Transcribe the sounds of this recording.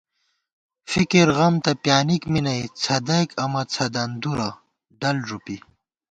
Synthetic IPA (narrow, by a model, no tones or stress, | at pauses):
fikiɾɣɐmt̪ɐpjaːnikminɐjt͡sʰɐd̪ɐjkɐmɐt͡sʰɐd̪ɐnd̪uɾa | ɖɐlʐupi